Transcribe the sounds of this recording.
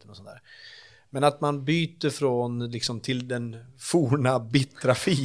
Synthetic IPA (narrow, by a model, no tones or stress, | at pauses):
t̪ənɔsɔnt̪æːɾ | mɛnat̪manbyːt̪əɾfɾoːnlɪksɔmt̪ʰɪld̪ɛnfuːɳabɪt̪ːɾafiː